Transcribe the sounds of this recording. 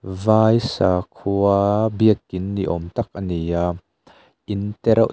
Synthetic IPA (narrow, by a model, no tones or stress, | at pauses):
vaːjsaːkʰubiək̚ɪnːiʔɔmt̪ɐk̚ʔɐnija | ʔint̪ɛɾʔa̰